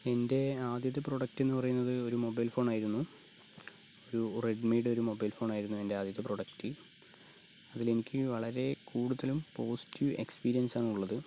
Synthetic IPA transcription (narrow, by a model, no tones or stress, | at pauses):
e̞nde̞aːd̪jɐt̪̬ːɨpro̞ɽɐk̚tːe̞nːɨpɐrɐjunːɐðɨo̞ɾumo̞bɐjlfo̞ːɳaːjiɾunːu | o̞ɾureɖmiːɖo̞ɾumo̞bɐjlfo̞ːɳaːjiɾunːue̞nde̞aːd̪jɐt̪ːɨproɽɐktːɨ | ɐðile̞nikʲːɨʋɐɭɐɾe̞kʰuːɽuðɐlumpo̞ːsi̥tːjue̞kspiːɾijɐnsaːnuɭːɐðɨ